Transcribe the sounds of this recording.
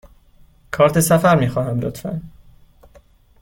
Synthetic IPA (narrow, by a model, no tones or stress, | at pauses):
kʰɒːɾt̪ʰe̞sæfæɾmiːxɒːɦæmlo̰t̪ʰfæ̰n